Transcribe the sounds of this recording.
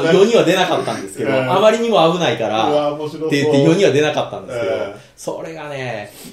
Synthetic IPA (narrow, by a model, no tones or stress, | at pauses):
çjoɲ̟iβad̪e̞nakat̪ːãnd̪e̞sɨ̥ke̞d̪oʔamaɾʲiɲ̟imo̞abɯ̟naikaɾa̰eɯ̟t̪ːejoɲ̟iβad̪e̞nakat̪ːã̰nd̪esɨke̞d̪o̰ | so̰ɾe̞ɡane